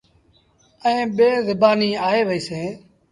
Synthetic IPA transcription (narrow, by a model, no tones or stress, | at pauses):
əẽːɓeːzɪbaːniːaːɦeːʋəiːseː